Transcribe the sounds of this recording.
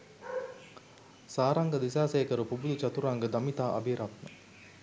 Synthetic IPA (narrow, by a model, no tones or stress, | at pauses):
saːɾɐŋɡəd̪isaːseːkəɾupubud̪ut͡ʃat̪uɾaŋɡəd̪ɐmit̪aːʔɐ̰biɾat̪nə